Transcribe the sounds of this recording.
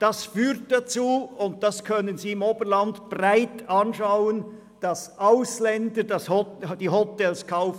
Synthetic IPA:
d̥ɑsfyːʁt̚d̥ɑt͡suːʊnt̚d̥ɑskʰœnənziːɪmoːbəlɑndb̥raɪtɑnʃɑʊən | d̥ɑsʔaʊslɛndəd̥ɑshɔd̥iːɦɔtɛlskʰaʊf

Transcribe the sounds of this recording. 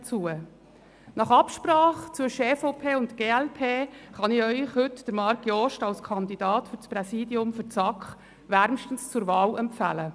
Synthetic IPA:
t͡suə | nɑχɑpʃpɾɑːχt͡sʏʃeːfɔpʰeːʊntɡ̥eːɛlpʰeːχɑniœʏχhɵtd̥əɾmɑɾkjɔʃtɑlskʰɑnd̪id̥ɑːtfʏɾspɾɛsiːdiʊmfʏɾt͡sɑkχ | ʋæɾmʃtənst͡sʊɾvɑːlɛmpfæ̰lə

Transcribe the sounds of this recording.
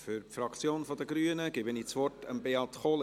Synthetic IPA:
fyɾpfrɑkt͡sjoːnfɔd̪əɡɾyənəɡ̥ɪbəniːt͡sʋɔrtʰəmbeɑtχol

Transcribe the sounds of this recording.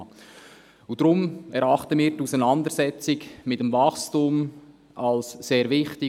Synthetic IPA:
ud̥ɾʊmɛɾɑχtəmiːɾtusənɑndəɾsɛt͡sɪɡmɪtəmvɑχstum | ɑlsseːɾvɪχtɪ

